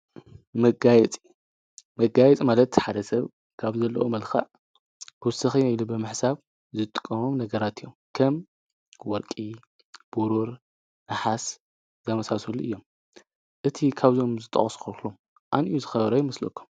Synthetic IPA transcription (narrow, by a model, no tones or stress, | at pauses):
mɐɡajɛt͡sʼi | mɐɡajɛt͡sʼimalɐt̪ħad̪ɐsɐβ | kʰaβzɐlːɐ̰ʔomɐlxɐ̰ʕ | bwsɨxinailubɨmɨħsaβ | zɨt̪ʼːɨ̥kʼːɐmomnɐɡɐɾat̪ijːomkʰɐm | wɔɾkʼi | b̥uɾuɾ | naħas | zɐmɐsasuluʔɨjːo̞m | ʔɨt̪ʰikʰaβzo̞mzɨt̪ʼːɐ̰χʼɐskoklum | ʔa̰nʔijuzɨxɐβɐɾɐjimɐslo̰kʰːu̥m